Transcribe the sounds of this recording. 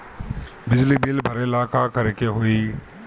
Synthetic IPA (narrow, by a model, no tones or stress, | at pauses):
bɪd͡ʒlibɪlbʱɐɾeɪlaːkʰakəɾekeɦoiː